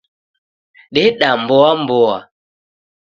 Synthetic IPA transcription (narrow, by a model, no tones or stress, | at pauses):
ɗɛɗambɔambɔa̰